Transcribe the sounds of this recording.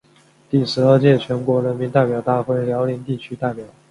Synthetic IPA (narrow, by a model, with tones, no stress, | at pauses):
t̪i˥˩ʂɻ̩˧˥ə˞˥˧t͡ɕjɛ˥˩t͡ɕʰɥɛ˧˥nkwɔ˧˥ɻə˧˥nmi˧˥nt̪a˥˩ɪpjɑ˨˩ʊt̪a˥˧xwe˥˩ɪljɑ˧˥ʊli˧˥ŋt̪i˥˩t͡ɕʰy˥t̪a˥˩ɪpjɑ˨˩˦ʊ